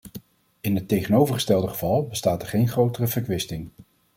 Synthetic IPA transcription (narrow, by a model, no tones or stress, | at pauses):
ɪnɦətːejχənowvəɹχə̥stɛlˠdəχəv̥ɑlˠbəstaːtɛɹχejnχrowtərəvəɹkʋɪstɪŋ